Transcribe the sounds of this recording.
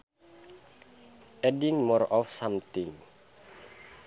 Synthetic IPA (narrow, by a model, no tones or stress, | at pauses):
ɛdiŋmɔrɔfsamt̪iŋ